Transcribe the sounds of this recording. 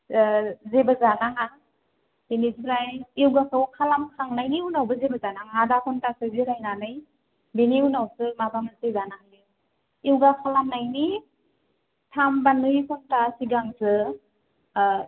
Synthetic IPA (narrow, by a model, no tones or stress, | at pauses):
zebazanaŋa | b̥eniziɾajiwɡakʰɯwkʰalamkʰaŋnajniunawbɯzebazanaŋadakʰɔntasɯziɾajnanɯj | beniunawsɯmabamatezanaŋjɯ | iwɡakʰalamnajni | tʰambanɯjkʰɔntasiɡaŋsɯ